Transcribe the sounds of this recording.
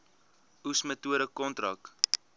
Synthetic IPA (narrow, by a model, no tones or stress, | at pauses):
usmətuəɾəkɔntrɐk